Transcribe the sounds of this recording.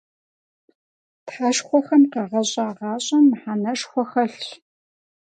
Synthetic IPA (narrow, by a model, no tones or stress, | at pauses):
tħaʃχʷɔxɐmqɑʁɐɕʼaːʁɑːɕʼɐmːħanɐʃχʷɔxɐɬ